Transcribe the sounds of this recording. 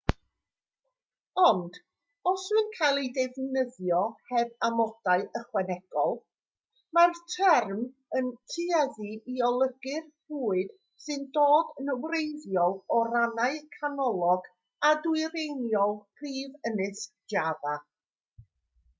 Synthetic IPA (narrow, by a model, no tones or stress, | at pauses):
ɔnd̥ | ɔswɨnkʰajlˠedɛvnəðjɔhɛbamɔd̥aɨʔəχwɛnɛɡ̥ɔlˠ | martʰɛrm | əntʰɨɛðiʔiɔlˠəɡɨrhuːɨd̥ | sɨndoːdənəwrejðjɔlˠɔranaɨkʰanɔlˠɔɡ | adwʊɨɾejnjɔlˠpʰriːvənɨsd̥jaða